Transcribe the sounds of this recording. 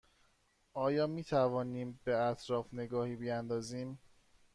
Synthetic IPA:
ɒːjɒːmiːt̪ʰævɒːniːmbeæt̪ʰɾɒːfne̞ɡɒːhiːbijænd̪ɒːziːm

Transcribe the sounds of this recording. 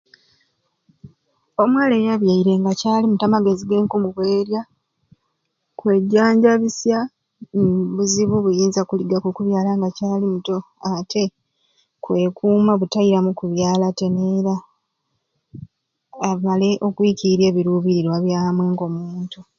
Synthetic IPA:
o̞mwaːle̞jaβjaiɾe̞ŋɡacaːlimutamaɡe̞ziɡe̞ːŋkumuβwe̞ːɾja | kwe̞ɟaːɲɟaβisja | niβuziβuβujiːnzakuliɡakukuβjaːlaŋɡacaːlimuto̞ | atʰe̞ | kwe̞kuːmaβutaiɾamukuβjaːlate̞neɾa | male̞ʔo̞kwiciiɾje̞ːβiɾuβiɾiɾwaβjaːmwe̞ːŋɡo̞muːntu

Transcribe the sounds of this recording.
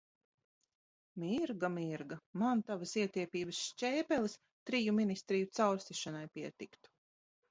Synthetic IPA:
miɾɡamiɾɡamant̪avasiɛt̪iɛpʲiːbəsʃt͡ʃɛːpʲɛlˠis | t̪ɾijuminist̪ɾijut̪sawɾst̪iʃanajpiɛt̪ikt̪u̥

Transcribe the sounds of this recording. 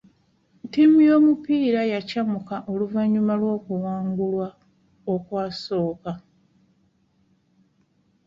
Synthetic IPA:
ntimujo̞ːmupiːɾajacamukaʔo̞luvaɲːumalwo̞ːkuwaːŋɡulwa | o̞kwaːso̞ːka

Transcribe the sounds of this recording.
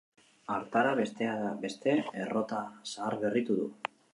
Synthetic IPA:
aɾt̪aɾaβe̞st̪eaðabe̞st̪e̞ero̞t̪asaːɾβe̞rit̪uðṵ

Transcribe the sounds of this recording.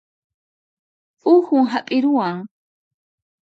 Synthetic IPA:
ʊxʊŋɦapʼɪɾʊwaŋ

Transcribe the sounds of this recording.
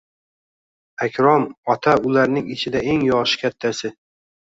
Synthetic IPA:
akʲʰɾɒmɒt̪ʰaʊlaɾnɪŋɪt͡ʃʰɪd̪ae̞ŋjɒʁʃɪ̥kʲʰat̪ʰːasɪ

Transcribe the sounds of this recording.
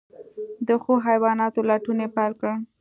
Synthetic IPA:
d̪əxoɦajwɑnɑt̪olaʈunepajlkə

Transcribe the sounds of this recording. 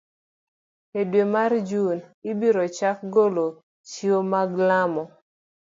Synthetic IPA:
edwemard͡ʒunɪbiɾot͡ʃak̚ɡolo | t͡ʃiomaɡlamɔ

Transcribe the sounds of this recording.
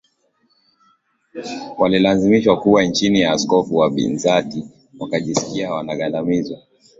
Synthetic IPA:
walilazimiʃwakuwant͡ʃinijaːskɔfuwaɓḭnzati | wakaʄisi̥kiawanaɠandamizwa

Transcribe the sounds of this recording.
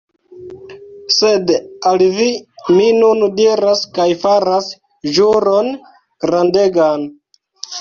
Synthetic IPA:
se̞dalviminundiɾaskajfaɾas | ʒuɾon | ɡ̥ɾandeɡan

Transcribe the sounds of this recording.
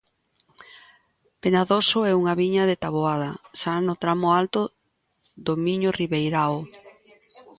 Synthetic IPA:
penaðosʊɛuŋaβiɲaðet̪aβoað̞ɐsanʊt̪ɾamʊalt̪o | ðomiɲoriβejɾao

